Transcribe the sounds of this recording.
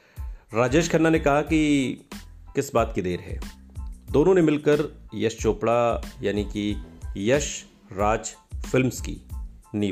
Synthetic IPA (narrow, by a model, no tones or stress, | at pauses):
ɾaːd͡ʒeːʃkʰɐnːanekɐɦaki | kɪsbaːt̪kid̪eːɾɦɛ̰ːd̪oːnõnemɪlkəɾjɐʃt͡ʃoːpɽajaːnikijɐʃ | ɾaːd͡ʒfɪlmskḭniː